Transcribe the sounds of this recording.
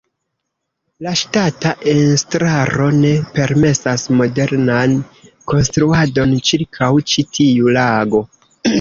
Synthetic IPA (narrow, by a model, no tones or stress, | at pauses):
laʃtataʔenstɾaɾo̞ne̞pe̞ɾme̞sasmo̞de̞ɾnan | ko̞nstɾuado̞nt͡ʃiɾkʰawt͡ʃitʰiulaɡo̞